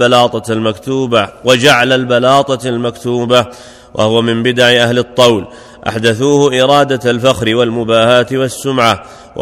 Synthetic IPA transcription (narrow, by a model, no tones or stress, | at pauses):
alɑːt̪ˤɑlmakt̪uːbawad͡ʒaʕlalbalɑːt̪ˤɑlmakt̪uːba | wʔa̰hʊwamɪmbɪd̪aʕɪʔahlɪt̪ˤːɑwl | ʔa̰ħd̪aθuːhʊʔɪɾˤɑːd̪alfaxɾɪwalmʊbaːhaːt̪ɪwasːʊmʕa | w